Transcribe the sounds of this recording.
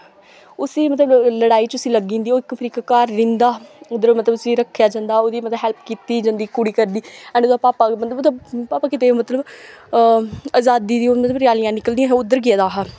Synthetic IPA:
ʊsiːmət̪ləbləɽaːiːt͡ʃʊsiːləɡĩːnd̪iːoːɪkpʰɾiːkkaːɾːɪ̃nd̪aːʊd̪əɾomət̪ləbʊsiːɾəkʰːjaːd͡ʒãːnd̪aːoːd̪iːmət̪ləbɦɛlpkiːt̪iːd͡ʒãːnd̪iːkʊɽiːkəɾd̪iːɛ̃ːɳɖoːd̪aːpaːpaːmət̪ləbt̪abpaːpaːkɪt̪eːmət̪ləb | aːzaːd̪iːd̪iːoːmət̪ləbɾjaːlɪjãːnɪkəld̪ɪĩjãɦʊd̪əɾɡɪjaːd̪aːɦa

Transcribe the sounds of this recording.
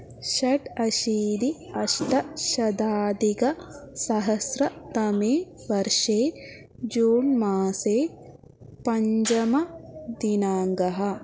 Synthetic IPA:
ʃɐʈɐʃiːd̪i | ɐʃʈɐʃɐd̪aːd̪iɡɐsɐɦɐsɾɐt̪ɐmeː | ʋɐɾʂeː | d͡ʒuːnmaːseː | pɐɲd͡ʒɐmɐd̪inaːŋɡɐɦɐ̆

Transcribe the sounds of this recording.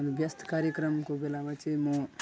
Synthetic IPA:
nbjəst̪ʰkaɾjəkɾəmkobelamat͡ʃʰimo

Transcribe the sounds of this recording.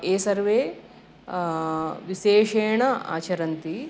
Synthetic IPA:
eːsɐɾʋeː | ʋiʃeːʂeːɳɐa̰ːt͡ʃɐɾɐnt̪i

